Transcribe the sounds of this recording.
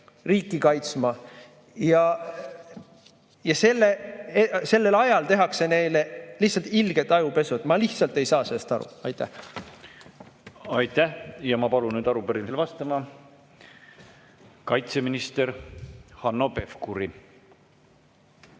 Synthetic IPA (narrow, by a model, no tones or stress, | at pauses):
riːkːˑikɑjt̪smɑ | jɑ | jɑse̞lːeese̞lːe̞lɑjɑlt̪e̞ɦɑkse̞ne̞jlelihsɑlt̪ilɡ̥e̞t̪ːˑɑjupe̞suet̪mɑliht̪sɑlt̪ːˑe̞jsɑːse̞lːest̪ɑɾṵɑjt̪ːˑæh | ɑjt̪ːæhjɑmɑpɑlunyːd̪ɑɾupeɾinselvɑst̪ɑmɑ | kɑjt̪se̞minist̪e̞ɾhɑnːope̞fkuɾi